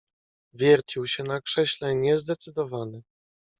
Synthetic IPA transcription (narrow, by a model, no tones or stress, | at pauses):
vʲjɛɾt͡ɕiwɕɛnakʂɛɕlɛɲɛzd̪ɛt̪sɘd̪ɔvanɘ